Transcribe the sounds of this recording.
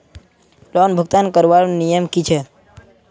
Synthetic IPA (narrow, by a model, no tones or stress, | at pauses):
lɔnbʱəɡ̚t̪ankəɾʋaɾnijəmkit͡ʃʰe